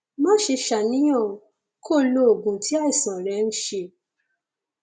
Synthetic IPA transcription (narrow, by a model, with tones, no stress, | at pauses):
mã˦ʃe˧ʃa˨nĩ˨˦j̃ã˦˨ | kʰo˦˨lo˧o˨ɡũ˨tʰi˦a˦i˦˨sã˨ɾɛ˨˦n̩˦ʃe˧